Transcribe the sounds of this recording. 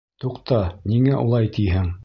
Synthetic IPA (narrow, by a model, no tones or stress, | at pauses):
t̪uqt̪ɑniŋæʔṵlˠɑjt̪ijɦɘŋ